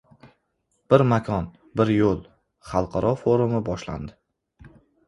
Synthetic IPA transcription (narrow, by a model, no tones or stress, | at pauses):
b̥ɪɾmakʰɒn | bɪɾjolˠ | χɑlˠqʰɑɾʔɒfoɾʊmɪbɒʃla̰nd̪ɪ